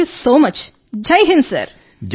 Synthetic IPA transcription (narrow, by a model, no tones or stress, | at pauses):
usoːmɐt͡ʃ | d͡ʒɐjɦɪ̃nsə̰ɾ | d͡ʒ